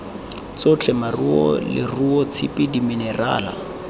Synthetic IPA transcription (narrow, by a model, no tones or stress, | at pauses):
t͡sot͡ɬʰʼɛmaruɔ̰lɪ̰ruɔt͡sʰɪpʼɪdiminɛra̰ːla̰